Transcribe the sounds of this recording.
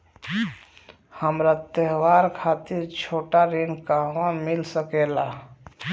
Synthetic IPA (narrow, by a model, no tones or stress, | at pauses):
həmɾat̪əɦwaɾkʰat̪iɾt͡ʃʰoʈaɾenkaɦwamilsəkela